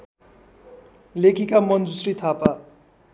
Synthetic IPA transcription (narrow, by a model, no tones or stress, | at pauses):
lekʰikamʌnd͡zusrit̪ʰapa